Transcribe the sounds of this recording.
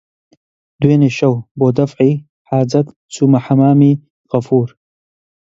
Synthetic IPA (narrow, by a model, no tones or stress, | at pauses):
d̪weːneːʃɐwboːd̪ɐfʕiː | ħaːzɐt̪ | t͡sumaħɐmaːmiː | ɣɐfuːɾ